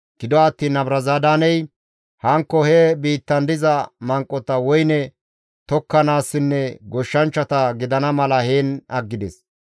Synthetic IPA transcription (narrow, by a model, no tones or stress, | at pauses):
ɡ̥ɪd̪ɔɐt̪ːiːnɐbɾɐzaːd̪aːnɛj | hɐŋkːɔhɛbiːt̪ːɐnd̪ɪzɐmɐŋkʼːɔt̪ɐwɔjnɛ | t̪ɔkːɐnaːsːɪnːɛɡɔʃːɐnt͡ʃːɐt̪ɐɡɪd̪ɐnɐmɐlɐheːnɐɡːɪd̪ɛs